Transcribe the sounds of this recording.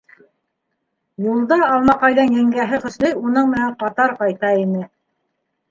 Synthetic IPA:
julˠd̪ɑːlˠmɑqɑjðɑnjæŋɡæɦɘχɵ̆slɘjunɤɴmɘ̆næɴqɑt̪ɑɾqɑjt̪ɑinɘ

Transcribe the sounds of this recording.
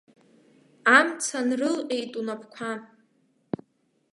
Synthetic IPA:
amt͡sʰanrɨlejtʼunapʰkʷʰa

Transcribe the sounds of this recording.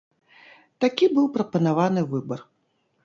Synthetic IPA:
t̪akʲibɨwpɾɐpɐnavanɨvɨbɐr

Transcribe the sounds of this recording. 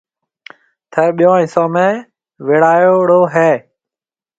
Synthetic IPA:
t̪ʰəɾɓijõːɪsõːmẽː | ʋeːɽaːjoːɽoːɦeː

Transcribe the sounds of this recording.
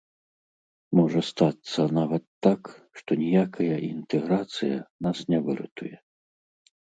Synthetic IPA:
mɔʐɐst̪at̪sːɐnavɐt̪ːakʂt̪ɔnʲijakʰɐjɐʔint̪ɛɣɾat̪sɨjɐ̰nasnʲɛvɨɾɨ̰t̪ujɛ

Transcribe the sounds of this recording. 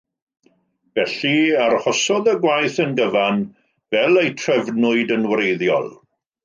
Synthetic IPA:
vɛɬiarhɔsɔðəɡwajθənɡəvan | vɛlˠejtʰr̥ɛvnʊɨdənwrejðjɔ̰lˠ

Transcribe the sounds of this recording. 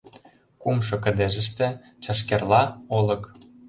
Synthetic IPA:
kumʃɤ̆k̬ə̆d̪eʒə̆ʃt̪ĕ | t͡ɕɑ̆ʃ̬kerlɑolɤ̆k

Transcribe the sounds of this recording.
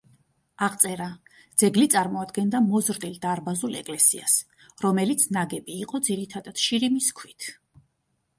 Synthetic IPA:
aʁt̪sʼɛɾa | d̪zɛɡlit̪sʼaɾmɔad̪ɡɛnd̪amɔzɾd̪ild̪aɾbazulɛ̰kʼlɛsḭa̰s | ɾɔmɛlit̪sʰnaɡɛbiːqʼɔd̪ziɾit̪ʰad̪ad̪̥ʃiɾimiskʰwit̪ʰ

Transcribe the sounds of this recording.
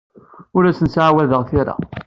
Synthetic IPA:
ʊɾæsənsʕawæðəʁθɪɾa̰

